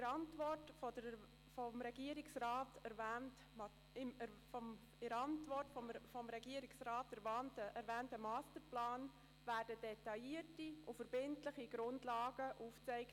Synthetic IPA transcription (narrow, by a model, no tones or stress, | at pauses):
ɪɾɑntʋɔrtfɔdə | fɔmɾɛɡiəɾɪksrɑːtɛɾvæːnt | ɪm | ɔ | ɪɾɑntʋɔrtfɔmfɔmɾɛɡiəɾɪksrɑːtæɾvaːntəʔæɾvæːntəmɑːstəɾplɑːn | væːrdədɛtɑɪiətiufəɾbɪntləχiɡɾʊndlɑːɡəʔuːft͡sɛɪkt